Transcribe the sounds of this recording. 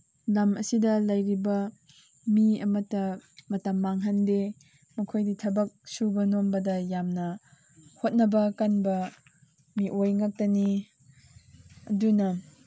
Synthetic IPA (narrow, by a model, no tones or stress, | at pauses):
lɐmɐsidɐlɐjɾibɐ | miɐmɐtːɐmɐtɐmːaŋɦɐnde | mɐkʰojditʰɐbɐk̚subɐnonbɐdɐjamnɐ | hot̚nɐbɐkɐnbɐ | miʔojŋak̚tɐni | ɐ̰dunɐ